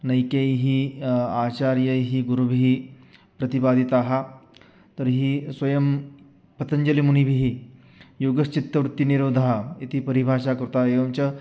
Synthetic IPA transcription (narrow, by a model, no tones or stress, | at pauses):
nɐjkejɦiːaːt͡ɕaɾjəjɦiːɡuɾubʱiɦiː | pɾɐt̪ibaːd̪ʱit̪aɦa | t̪əɾɦiːsʋɐjɐm | pɐt̪əɲd͡ʑɐlimunibʱiɦi | joːɡəst͡ɕit̪ːəʋɾut̪ːiniɾoːd̪ʱaɦait̪ipəɾibʱaʂakɐɾut̪aeʋɐmt͡ɕɐ